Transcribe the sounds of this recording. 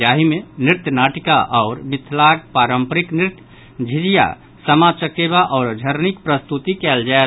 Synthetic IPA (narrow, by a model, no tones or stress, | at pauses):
aɦimeniɾt̪jənaʈikaʔɔːɾmɪt̪ʰlaɡ̚paɾəmpəɾiknɪɾt̪ | d͡ʒʱid͡ʒija̰ | səmasəkebaʔɔːɾd͡ʒ̪ʱəɾnikpɾəst̪ut̪ikɛld͡ʒae